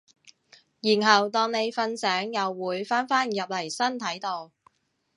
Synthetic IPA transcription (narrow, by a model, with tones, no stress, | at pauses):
jiː˨˩nɦɐ˨˩wt̪ɔː˧ŋne˨˧jfɐ˧nsɛː˨˥ŋjɐ˨wːuː˨˧˥jfaː˥nfaː˥njɐ˨p̚lɐ˨˩jsɐ˥nt̪ʰɐ˨˥jt̪o˨˧w